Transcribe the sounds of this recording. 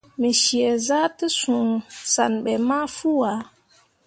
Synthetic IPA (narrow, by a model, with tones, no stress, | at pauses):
mi˨ʃi˨ɛ˨za˦tɨ˦sũ˨sa˨nɓɛ˨ma˦fu˦wa˨˦